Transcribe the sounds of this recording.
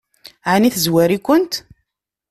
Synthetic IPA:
ʕaniθzwæɾikʷːənt̪

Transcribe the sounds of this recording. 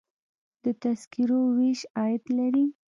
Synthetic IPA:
d̪̥ət̪askiɾoweʃɑjɪd̪laɾi

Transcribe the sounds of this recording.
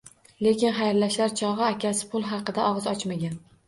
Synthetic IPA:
le̞kʲɪnχajɾlaʃlaɾt͡ʃʰɒʁɨakʲasɪ̥pʰʊlˠɦɑqɨd̪aʔɒʁɨzɒt͡ʃmaɡʲan

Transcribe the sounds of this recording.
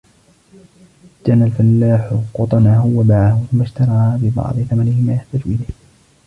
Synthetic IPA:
d͡ʒanːalfalːaːħʊqʊt̪ˤɑnaɦʊwamaʕahʊθʊmːaʃt̪ɑɾˤɑːbɪbɑ̰ʕd̪ˤɨθamanɪhɪmaːjaħt̪aːd͡ʒuʔɪlah

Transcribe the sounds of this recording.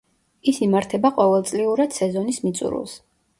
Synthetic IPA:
isimaɾt̪ʰɛbaqʼɔvɛlˠt̪sʼliuɾad̪̥sɛzɔnismit̪sʼṵɾṵlˠs

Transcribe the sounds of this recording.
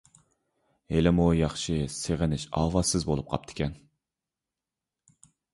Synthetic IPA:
helɪmujɑχʃɪseʁɪnɪʃɑ̰ːwɑsɪzbolˠup̚qʰɑ̰p̚t̪ʰɪ̥kʲɛn

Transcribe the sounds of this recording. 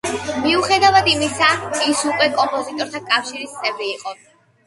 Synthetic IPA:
miuχɛd̪avad̪imisaisukʼwɛkʼɔmpʼɔzit̪ʼɔɾt̪ʰakʼafʃiɾist̪sʼɛvɾiːqʼɔ

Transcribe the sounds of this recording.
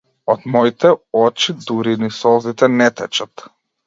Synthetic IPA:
ɔd̪mɔit̪ɛɔt͡ʃid̪uɾinisɔzit̪ɛnɛt̪ɛt͡ʃat̪

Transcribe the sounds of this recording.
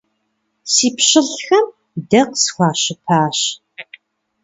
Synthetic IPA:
siːpɕɪɮxɐm | dɐqsxʷɑːɕɪpʰaːɕ

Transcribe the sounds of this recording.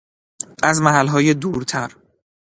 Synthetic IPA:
ʔæzmæɦælɦɒːjed̪uːɾt̪ʰæɾ

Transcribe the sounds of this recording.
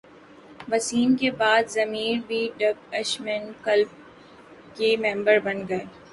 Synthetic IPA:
ʋɐsiːnkebaːd̪zɐmiːɾbʱiɖɐɡɐʃmɪnkɐlb̚ | kemɛ̃ːmbəɾbɐnɡɐe

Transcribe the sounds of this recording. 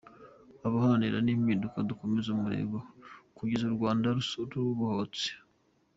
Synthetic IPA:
aβahaaniɾa̰nimidukadukomezumuɾḛːɡokuɟezuɾɡwaːndaɾusoɾuɾuβahot͡si̥

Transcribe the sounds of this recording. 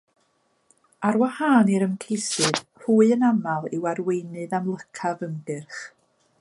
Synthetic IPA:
aɾwahaːniɾəmkʰejsɨð̥huːɨənamalˠɪwarwejnɨðamlˠəkʰavənɡɨrχ

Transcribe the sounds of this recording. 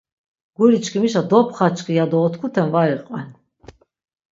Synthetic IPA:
ɡ̥uɾit͡ʃʰkʰimiʃ̬ad̪ɔpʰχat͡ʃʰkʰijad̪ɔːt̪ʰkʰut̪ʰɛnvaɾiqʼwɛn

